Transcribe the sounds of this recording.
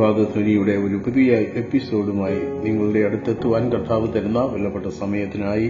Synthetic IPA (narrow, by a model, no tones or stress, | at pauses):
aːɡɐsnɐnijuɽe̞o̞ɾupɐðijɐe̞pːiso̞ːɽumaːjiniŋːɐɭuɽe̞ɐɽut̪ːe̞t̪ːuʋaːnkɐrt̪ʰaːʋɨt̪ɐɾunːɐʋelːɐpːe̞ʈːɐsɐmɐjɐt̪ːinaːji